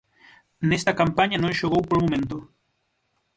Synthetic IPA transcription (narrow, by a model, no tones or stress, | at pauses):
nest̪akampaɲanõŋʃoɣowpolmomẽnt̪o